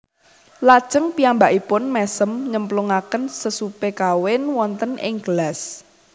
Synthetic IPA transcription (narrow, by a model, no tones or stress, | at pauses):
lḁʒ̥əŋpiambaʔipʊnmɛsəmɲəmpluŋakənsəsupekawɪnwɔnt̪ənʔɪ̰ŋɡ̥əlas